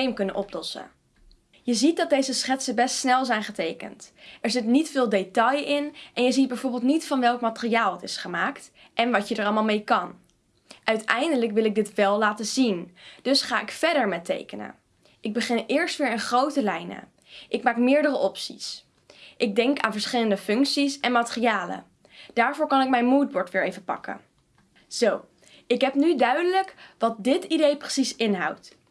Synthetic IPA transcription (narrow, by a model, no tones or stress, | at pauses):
ejmkɵnənʔɔplɔsə̰ | jəzit̚dɑt̚dejzəsχɛtsəbɛstsnɛlˠzɛjnχətejkə̰ntɛɹzɪtnitfɪːlˠdejtɑjɪnʔɛnjəzid̚bɛjvoːɹbɪltnitfɑnʋɛlˠkmatəriaːlˠətɪsχəmaːkt | ʔɛnʋɑtjədəɹɑlˠmalˠmejkɑn | ʔœɥtɛjndələkʋɪlˠɪɡ̚dɪtʋɛlˠlaːtəzind̥ɵsχaːɪkfɛɹdəɹmɛtḛjkənə̰ | ʔɪɡ̚bəχɪnɪːɹstʋɪːɹənχrowtəlɛjnə̰ | ʔɪkmaːkmɪːɹdərəʔɔpsḭs | ʔɪɡ̚dɛŋka̰ːnvəɹsχɪləndəfɵŋksisɛnmatəriaːlə̰ | d̥aːɹvoːɹkɑnɪk̚mɛjnmuːd̚bɔɹtʋɪːɹejvəpɑ̰kə̰ | z̥ow | ɪkɦɛpnydœɥdələkʋɑt̚dɪtidejprəsisɪnɦɑ̰wt